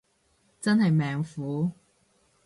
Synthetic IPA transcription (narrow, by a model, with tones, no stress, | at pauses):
t͡sɐ˥nhɐ˨jmɛː˨ŋfuː˨˥